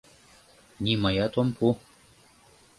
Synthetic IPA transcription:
nʲimɤjɑt̪ompʰu

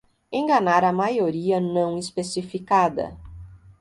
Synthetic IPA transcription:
ẽɡɐnaɾɐmajoɾiɐnɐ̃w̃ispesifikad̪ɐ̰

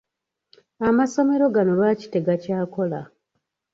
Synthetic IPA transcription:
amaso̞me̞ɾo̞ɡano̞lwaci̥te̞ɡacaːko̞la

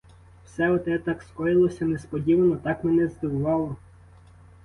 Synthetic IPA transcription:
wsɛɔt̪ɛt̪ɑkskɔjɪlˠɔsʲɐnespɔdʲiʋɐnɔt̪ɑkmɛnɛzd̪ɪwʊʋɑlˠɔ

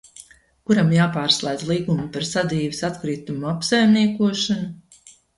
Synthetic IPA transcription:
kuɾamjaːpaːɾslˠajd̪zlˠiːɡumupaɾsad̪iːvisat̪kɾiːt̪umuapsajmniɛkuɔʃanu

